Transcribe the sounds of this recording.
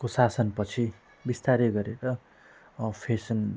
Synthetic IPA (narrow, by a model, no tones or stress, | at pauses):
kosasʌnpʌt͡sʰi | bist̪aɾeɡʌɾeɾʌ | pʰesʌn